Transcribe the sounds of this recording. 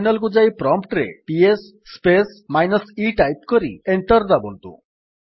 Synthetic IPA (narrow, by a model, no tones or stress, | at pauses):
nəlɡud͡zaipɾɔmpʈɾḛpiesː | pesmajnəsiʈajp̚kəɾḭeɳʈəɾd̪abo̰lt̪ṵ